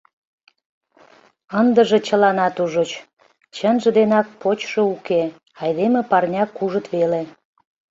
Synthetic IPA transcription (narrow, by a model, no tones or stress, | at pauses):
ənd̪ə̆ʒĕt͡ɕəlɑnɑt̪uʒot͡ɕ | t͡ɕənʒə̆d̪enɑk̚pot͡ɕʃouke | ɑjd̪emepɑrnʲɑkuʒət̪βele